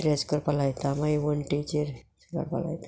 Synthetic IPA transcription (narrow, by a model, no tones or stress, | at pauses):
ɾeskəɾpalajt̪amaiʋənʈit͡ɕəɾskə̰ɾpa̰la̰jt̪ḁ